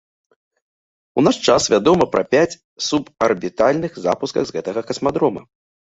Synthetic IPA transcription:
unaʂt͡ʂasvʲad̪ɔmɐpɾɐ̰pʲat͡sʲ | supɐrbʲit̪alʲnɨxza̰puskɐɣzɣɛt̪ɐɣɐkɐsmad̪ɾɔmɐ̰

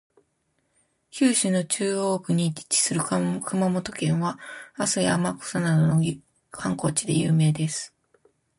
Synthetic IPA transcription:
çʲɨːɕɨno̞t͡ɕɨːo̞ːkɯ̟ɲ̟i̥ːt͡ɕi̥sɨɾɯ̟kɯ̟mamo̞t̪o̞kẽ̞ɰ̃βaasɨja̰mako̥sanad̪o̞noj | kʰãŋko̞ːt͡ɕid̪e̞jɯːme̞ːd̪e̞sɨ̥

